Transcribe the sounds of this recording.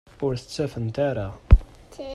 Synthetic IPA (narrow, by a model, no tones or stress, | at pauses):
ʊɾθə̥t͡sːæfənt̪aɾa